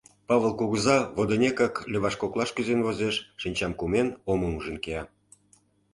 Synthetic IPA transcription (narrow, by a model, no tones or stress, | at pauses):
pɑβəlˠkuɣəzɑβod̪onʲekɑklʲeβɑʃkoklˠɑʃkyzenvozeʃːinʲt͡ɕɑmkumenomumuʒə̆nkeɑ